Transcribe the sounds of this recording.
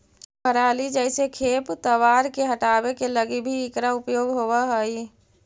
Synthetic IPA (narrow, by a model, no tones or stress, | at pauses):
kʰəɾaːlid͡ʒəɪsekʰeːpt̪əʋaːɾkeɦəʈaːbekeləɡibʱiːkɾaʊpjoːɡɦowaɦəi